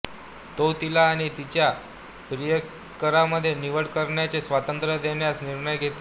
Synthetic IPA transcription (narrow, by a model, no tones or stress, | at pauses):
t̪ot̪ilaːɽ̃it̪it͡ɕja | pɾijə | kəɾaməd̪ʱːjeniʋəɽkəɾɳjat͡sesʋat̪ənt̪ɾəd̪eɳjasniɾɳəjɡʱet̪o